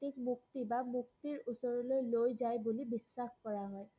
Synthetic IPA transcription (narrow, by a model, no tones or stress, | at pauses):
tikmuk̚t̪ibamuk̚t̪iɹusɔɹɔlojlojzajbulibisːaxkɔɹaɦɔj